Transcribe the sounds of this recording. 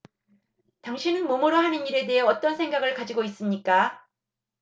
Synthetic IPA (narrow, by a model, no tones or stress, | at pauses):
taŋɕʰinɯnmomoɾoɦaniniɾe̞de̞ɦeʌt͈ʌnsʰe̞ŋɡaɡɯɭkad͡ʑiɡois͈ɯmɲik͈a